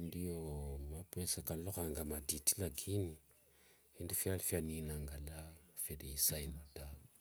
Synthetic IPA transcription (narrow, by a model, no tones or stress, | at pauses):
ndijomapesakalokaŋɡamaditi̥laɡini | indifialfianinaŋɡalafedesajinata